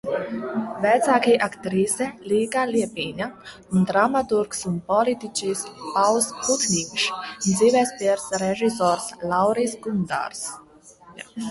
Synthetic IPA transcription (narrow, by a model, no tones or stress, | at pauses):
vɛt̪saːkʲiːʔakt̪ɾiːsɛlʲiːɡaːliɛpiːɲa | und̪ɾamat̪uɾksunpɔlʲit̪it͡ʃiːspawsput̪nʲiːkʃnd̪ziːvʲɛspʲiɛɾsɾɛʒisɔːɾslawɾiːsɡund̪a̰ːɾs